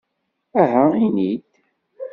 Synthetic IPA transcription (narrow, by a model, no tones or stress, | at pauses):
æɦæinid̪